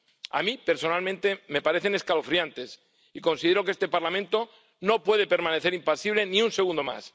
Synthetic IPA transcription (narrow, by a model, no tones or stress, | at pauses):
a̰mipe̞ɾso̞nalmẽnt̪e̞me̞paɾe̞θe̞ne̞skalofɾiant̪e̞s | iko̞nsiðe̞ɾokee̞st̪e̞paɾlamẽnt̪o̞ | no̞pwe̞ðe̞pe̞ɾmãne̞θeɾimpasiβ̞le̞niunse̞ɣ̞ũnd̪o̞ma̰s